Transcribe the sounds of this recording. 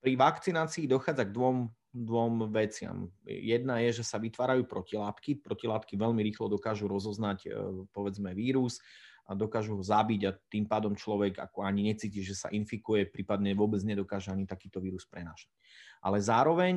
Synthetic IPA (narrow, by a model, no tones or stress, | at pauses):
pɾiʋakt͡sinaːt͡siːd̪ɔxaːd͡zaɡd̪ʋɔm | d̪ʋɔmʋɛt͡sɪa̰mjɛd̪najɛʒɛsaʋit̪ʋaːɾajuːpɾɔcilaːt̪kipɾɔcilaːt̪kiʋɛʎmiɾiːxlɔd̪ɔkaːʒuɾɔzɔznacpɔʋɛd͡zmɛʋiːɾusd̪ɔkaːʒuɦɔzabiɟat̪iːmpaːd̪ɔmt͡ʃlɔʋɛɡa̰kɔaɲiɲɛt͡siːciʒɛsa̰ʔinfikujɛpɾiːpad̪ɲɛʋʊɔbɛd͡zɲɛd̪ɔkaːʒɛaɲit̪akiːt̪ɔʋiːɾuspɾɛnaːʃḁc | ʔa̰lɛzaːɾɔʋɛɲ